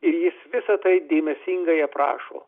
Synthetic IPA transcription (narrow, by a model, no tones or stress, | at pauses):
ɪɾjɪsʋʲɪsɐt̪ɐɪd̪ʲeːmʲɛsʲiŋɡɐɪɐpɾɑ̰ːʃo̰ː